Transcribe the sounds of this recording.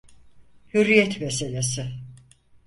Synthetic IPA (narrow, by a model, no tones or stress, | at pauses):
hyɾijɛt̪meselʲesɪ